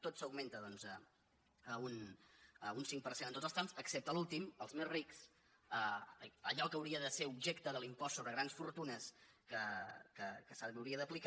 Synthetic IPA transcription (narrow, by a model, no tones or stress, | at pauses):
t̪ot̪səwɡment̪əðɔnzə | əun | unsiŋkpəɾsenənt̪otzəlˠst̪emsəksep̚t̪əlulˠt̪iməlˠzmezriks | əəʎɔkəwɾiəðəseubʒekt̪əðəlimpɔssːoβɾəɣɾansfuɾt̪unəskəkəkəsəβəwɾiəðəplik